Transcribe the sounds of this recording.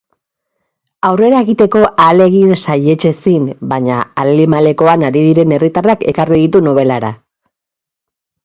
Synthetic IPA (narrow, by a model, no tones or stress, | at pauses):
awre̞ɾae̞ɣit̪e̞ko̞ʔale̞ɣinsaje̞t͡ʃe̞sinbaɲa̰alimale̞ko̞anaɾiðiɾe̞ne̞rit̪arake̞̰kariðit̪uno̞β̞e̞laɾa̰